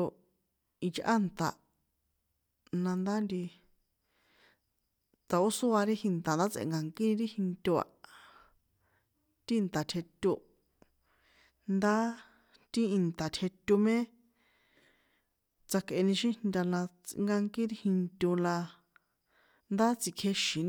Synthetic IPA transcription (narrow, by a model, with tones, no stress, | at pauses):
o˧ | i˧t͡ʃʔa̰˦˨nt̪a̰˨ | nã˧nd̪a˦nd̪i˧ | t̪a˨o˦su˦a˧ɾi˦hĩ˧nt̪a˨nd̪a˦t͡sḛ˨ŋɡa˧ŋkĩ˦˧ɾi˦hĩ˧nt̪ʲo˧a̰˨ | t̪i˦i˧nt̪a˨t̪ʰe˧t̪ʲu˧ | nd̪a˦ | t̪i˦i˧nt̪a˨t̪ʰe˧t̪ʲu˧mẽ˦ | t͡sa˧kʔe˧nĩ˧ʃĩ˦nd̪ʲa˧lã˧t͡sŋɡa˧ŋkĩ˦ɾi˦hi˧nt̪ʲo˧la˧ | nd̪a˦t͡si˧kʰe˧ʃĩ˨˧n